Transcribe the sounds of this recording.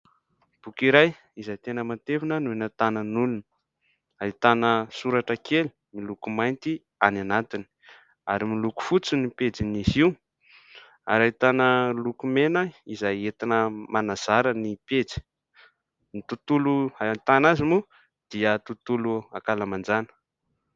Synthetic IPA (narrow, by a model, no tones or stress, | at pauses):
b̥ukiɾaj | izajt̪enəmant̪evinənuenət̪anənulunə | ait̪anəsuɾaʈ͡ʂəkʰeli̥ | milukumajnt̪i | ananat̪ini̥ | aɾimiluku̥fut͡sunipet͡siniziw | a̰ɾait̪anəlukumenəizajet̪inəmanaz̥aɾənipet͡si̥ | nit̪ut̪uluat̪anazimu | d̪̥iət̪ut̪uluakalamand͡zanə̥